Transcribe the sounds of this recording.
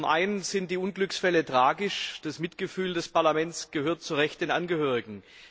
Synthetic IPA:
mʔaɪnənz̥ɪnt̚d̥iːʔʊnɡlʏksfɛlətʁ̥aːɡɪʃd̥asmɪtɡ̥əfyːldɛspaɐlamɛnt͡sɡ̥əhøːɐt̚t͡suʁɛçtd̥eːnʔanɡəhøːʁ̞ɪɡŋ̩

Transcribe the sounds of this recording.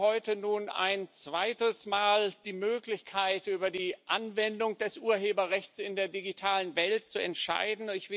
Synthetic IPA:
hɔʏtənuːna̰ɪnt͡sv̥aɪtəsmaːld̥iːmøːklɪçkʰaɪtʔyːbɐdiːʔanvɛndʊŋd̥ɛsʔuːɐɦeːbɐʁɛçt͡sɪndeːɐdiɡitʰaːlənvɛlt̚t͡suɛ̰ntʃa̰ɪdn̩ɪçv̥ɪ

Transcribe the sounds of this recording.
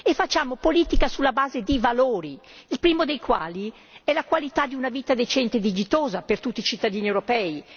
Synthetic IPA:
efat͡ʃːaːmopoliːt̪ikasulːabaːzed̪ivaloːɾiilpɾiːmod̪ejkwa̰ːli | ɛlakwalit̪ad̪iunaviːt̪ad̪et͡ʃɛnt̪ed̪id͡ʒit̪oːzapert̪ut̪ːiːt͡ʃit̪ːad̪iːniewɾopɛːi

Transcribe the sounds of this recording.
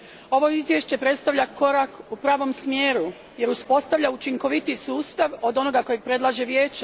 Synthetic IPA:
o̞ʋo̞izʋjeʃt͡ɕe̞pɾe̞t̪st̪aʋʎʲako̞ɾakupɾaːʋo̞msmjeːɾu | je̞ɾuspo̞st̪aʋʎaut͡ʃiŋko̞ʋit̪isuːst̪aʋo̞d̪o̞no̞ɡako̞jepɾe̞d̪lˠaʒeʋjeːt͡ɕa

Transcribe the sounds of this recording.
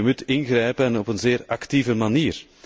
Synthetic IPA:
əmutɪnɣrɛjpənɔpənzeːɾɑktivəmaniːr

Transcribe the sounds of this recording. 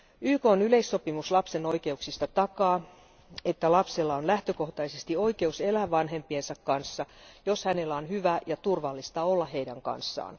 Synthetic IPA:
yːkoːnyle̞isːo̞pimuslɑpseno̞ikeuksist̪ɑt̪ɑkɑː | et̪ːælɑpselːɑonlæht̪øko̞ht̪ɑisest̪io̞ike̞uselæʋɑnɦe̞mpiensɑkkɑnsːɑjoshæne̞lːæonhyʋæjɑt̪urʋɑlːist̪ɑolːɑhe̞idæŋkɑ̰nsːɑ̰ːn

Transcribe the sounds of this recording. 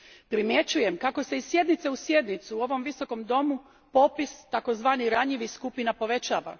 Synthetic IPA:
pɾimje̞t͡ɕuje̞mkako̞se̞isːje̞d̪nit̪se̞usjed̪nit̪suuo̞ʋo̞mʋiso̞ko̞md̪o̞mu | po̞pist̪ako̞zʋaːniɾaɲiʋiskupinapo̞ʋe̞t͡ɕaːʋa̰

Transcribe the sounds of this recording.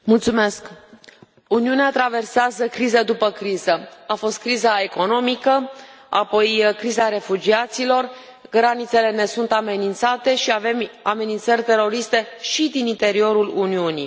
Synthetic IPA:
mult̪sume̞sk | uniuneat̪ɾave̞rseazəkɾized̪upəkɾizəafo̞st̪̚kɾizae̞ko̞no̞mikəapo̞jkɾizaɾe̞fud͡ʒiat̪silo̞r | ɡɾanit̪se̞le̞ne̞sunt̪ame̞nint̪sat̪e̞ʃiave̞mame̞nint̪sərʲt̪e̞ɾo̞ɾist̪e̞ʃid̪inint̪e̞ɾio̞ɾuluniunḭ

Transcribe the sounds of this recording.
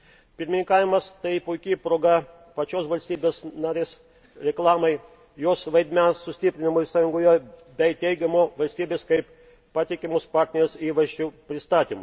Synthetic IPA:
pʲɪɾʲmʲɪnʲɪŋkɑːʋʲɪmɐst̪ɐɪpʊɪkʲɪpɾoːɡɐ | pɐt͡ʃʲoːsʋɐlʲsʲt̪ʲiːbʲeːsnɑːɾʲeːs | ɾʲɛklˠɑːmɐɪ | joːsʋɐɪd̪ʲmʲɛnsːʊsʲt̪ʲɪpʲɾʲɪnʲɪmoːɪsɑːjʊŋɡoːjoːbʲɛɪt̪ʲɛɪɡʲɛmoːʋɐlʲsʲt̪ʲiːbʲeːskɐɪp | pɑːt̪ʲɪkʲɪmospɑːɾʲt̪ʲnʲɛɾʲesiːʋɐʒʲd͡ʒʲʊpʲɾʲɪst̪ɑːt̪ʲimʊ

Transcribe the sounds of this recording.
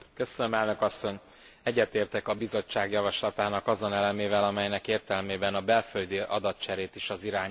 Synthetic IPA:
køsønømɛlnø̞kɒsːo̞ɲ | ɛɟːɛt̪eːrt̪ɛkɒbizo̞t͡ʃt͡ʃːaːɡjɒvɒʃlɒt̪aːnɒkɒzo̞nɛlɛmeːvɛlɒmɛjnɛkeːrt̪ɛlmeːbɛnɒbɛlføld̪iɒd̪ɒt̪̚t͡ʃɛɾeːt̪iʃɒziɾaːɲ

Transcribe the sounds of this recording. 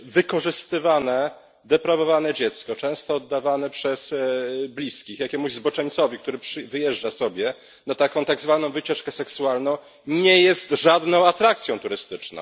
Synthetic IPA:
vɘkɔʐɘst̪ɘvanɛ | d̪ɛpɾavɔvanɛd͡ʑɛt̪skɔt͡ʂɛ̃w̃st̪ɔːd̪ːavanɛpʂɛsblʲiskʲixjakʲɛmuʑzbɔt͡ʂɛɲʲt̪sɔvʲikt̪uɾɘpʂɘvɘjɛʐd͡ʐasɔbʲjɛ | nat̪akɔ̃w̃t̪aɡzvan̪ɔ̃w̃vɘt͡ɕɛʂkɛsɛksualnɔ̃w̃ | ɲɛjɛst̪ʐad̪nɔ̃w̃at̪ɾakt̪sʲjɔ̃w̃t̪uɾɘst̪ɘt͡ʂnɔ̰̃w̃

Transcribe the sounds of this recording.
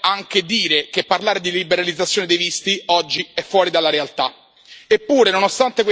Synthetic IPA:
aŋk̟ed̪iːɾekepːarlaːɾed̪ilibeɾalid̪zːat̪sːjoːned̪ejvist̪iɔd͡ʒːiɛfːwɔːɾid̪alːaɾealt̪a | epːuːɾenonost̪ant̪ekw

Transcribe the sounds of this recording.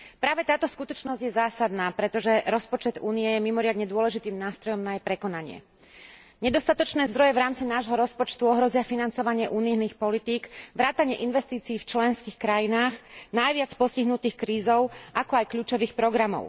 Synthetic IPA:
pɾaːʋɛt̪aːt̪ɔskut̪ɔt͡ʃnɔzɟjɛzaːsad̪naːpɾɛt̪ɔʒɛɾɔspɔt͡ʃɛd̪uːniɛjɛmimɔɾɪad̪ɲɛd̪ʊɔlɛʒit̪iːmnaːst̪ɾɔjɔmnajɛpɾɛkɔnaɲɪɛ̰ | ɲɛd̪ɔst̪at̪ɔt͡ʃnɛːzd̪ɾɔjɛʋɾaːmt͡sinaːʒɦɔɾɔspɔt͡ʃt̪uɔɦɾɔzɪafinant͡sɔʋaɲɪɛʔuːnijniːxpɔlit̪iːɡʋɾaːt̪aɲɪɛʔinʋɛst̪iːt͡siːft͡ʃlɛnskiːxkɾajinaːɣnajʋɪat͡spɔsciɦnut̪iːxkɾiːzɔʊʔakɔajkʎuːt͡ʃɔʋiːxpɾɔɡɾamɔ̰ʊ

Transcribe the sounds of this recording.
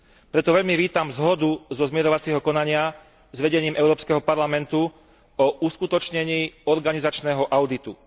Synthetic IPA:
pɾɛt̪ɔʋɛʎmiʋiːt̪amzɦɔd̪uzɔzmɪɛɾɔʋat͡sɛɦɔkɔnaɲɪa | zʋɛɟɛɲiːmɛʊɾɔːpskɛɦɔpaɾlamɛnt̪u | ɔʔuskut̪ɔt͡ʃɲɛɲiːɔɾɡanizat͡ʃnɛːɦɔʔaʊd̪it̪u

